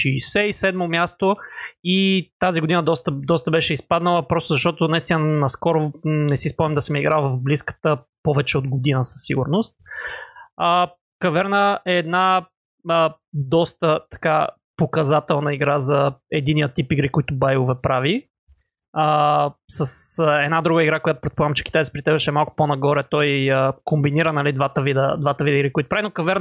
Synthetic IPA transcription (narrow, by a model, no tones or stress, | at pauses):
ʃiːsɛisɛd̪momʲjast̪oit̪aziɡod̪inəd̪ɔst̪əd̪ɔst̪əbɛʃɛispad̪nəlˠəpɾɔst̪ʊzɐʃt̪ɔt̪ʊnɐist̪inənɐskɔɾonɛsispɔmɛmd̪ɐsɛmjɛiɡɾalˠvɐvbliskə̥t̪ə | pɔvɛt͡ʃɛod̪ɡod̪inəsɐ̥sːiɡʊɾnost̪̚ | ə | kɐvɛɾnəʔɛːd̪na | ə | d̪ɔst̪ət̪ɐ̥ka | pokɐzat̪ɛlˠnɐiɡɾazɐɛd̪inijət̪ipiɡɾikɔjt̪ʊbajʊvɛpɾavi | əsəsɛd̪nad̪ɾuɡəiɡɾakojat̪ʊ̥pɾɛt̪polaɡəmt͡ʃɛ̥kʲit̪ajt̪ipɾit̪ɛzɛʃɛmalˠkʊ̥ponɐɡɔɾɛt̪ɔjəkombiniɾənɐlid̪vat̪əvid̪əd̪vat̪əvid̪əiɡɾikoit̪ʊ̥pɾavinokɐvɛɾ